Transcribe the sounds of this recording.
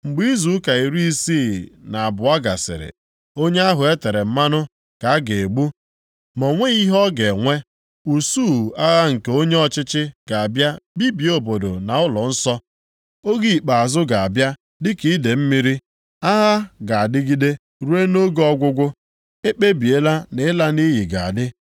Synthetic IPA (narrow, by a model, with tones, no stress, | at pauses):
ŋ͡m̩˨ɡ͡bi˦i˦zu˨˦ka˨i˨ɾi˦i˦siː˦˨na˨a˨bʊ˨a˦ɡa̰˨sɪ̰˨ɾɪ̰˨ | o˦ɲe˦a˦ɦʊ˨e˦te˨ɾe˨m̩˦ma˦nʊ˦ | ka˨a˦ɡe˨e˨ɡ͡bu˦ | mɔ˨ŋʷe˦i˦ɦɔ˦ɡe˨ŋʷe˦ | u˨su˦˨a˦ɣa˦ŋ̩˨ke˨o˦ɲe˦ɔ˨t͡ʃɪ˦t͡ʃɪ˦ɡ̥a˨a˨bja˦bi˦bi˨o˨bo˨do˨na˨ʊ˦lɔ˨n̩˦sɔ˦ | o˦ɡi˦i˨k͡pa˨a˨zʊ˦ɡa˨a˨bja˦ | dɪ˦ki˦i˦de˨m̩˦mi˦ɾi˦ | a˦ɣa˦ɡa˨a˨dɪ˦ɡi˦de˦ | ɾu˦e˦no˦ɡɔ˦ɡʷʊ˦ɡʷʊ˦ | e˦k͡pe˦bi˨e˦la˦ne˨˦la˦ni˦ɦi˨ɡa˨a̰˨dɪ˦